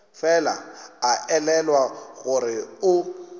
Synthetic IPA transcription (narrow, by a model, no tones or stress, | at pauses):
fɛla̰aʔɛlɛlwaɣʊɾɪʊ